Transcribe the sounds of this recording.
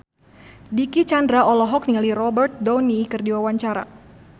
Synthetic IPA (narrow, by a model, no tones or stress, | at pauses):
dikit͡ʃandɾaɔlɔɦɔk̚nialirɔbərt̪̚dɔnikɨrdiwawaɲt͡ʃaɾa̰